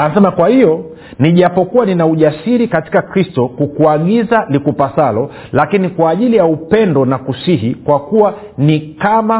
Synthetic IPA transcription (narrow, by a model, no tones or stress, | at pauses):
aasɛmakwahijɔ | niʄapɔkuwaninauʄasiɾikati̥kakɾistɔkukuaɠizalikupasalɔ | lakinikwaːʄilijaupɛndɔnakusiɦikwakuwa | nikama